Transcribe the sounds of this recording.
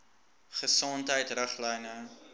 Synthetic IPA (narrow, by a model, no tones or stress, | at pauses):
χəsɔntɦəjtrəχlɛjnə